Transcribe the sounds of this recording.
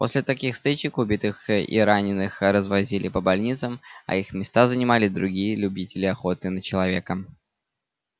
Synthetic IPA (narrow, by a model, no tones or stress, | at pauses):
po̞̰sʲlʲɪt̪ɐkʲixst̪ɨt͡ɕɪkʊbʲit̪ɨxḭɾanʲɪnɨxɾəzvɐzʲilʲɪpəbɐlʲnʲit̪səmɐ̰ixmʲɪst̪azənʲɪmalʲɪd̪ɾʊɡʲijəlʲʉbʲitʲɪlʲɪɐxo̞t̪ɨnət͡ɕɪlˠɐvʲe̞kə